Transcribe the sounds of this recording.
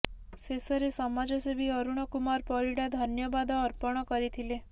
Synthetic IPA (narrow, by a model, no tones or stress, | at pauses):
sesəɾesɔmad͡ʒɔsebiɔɾuɳ̃ɔkumaɾpɔɾiɽad̪ʱənjɔbad̪ɔːɾpɔɽ̃ɔkəɾit̪ʰile